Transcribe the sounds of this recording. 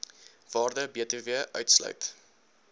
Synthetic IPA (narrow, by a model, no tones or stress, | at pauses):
v̥ɑːrdəbiətəviəʔœ̰ɥtslœ̰ɥt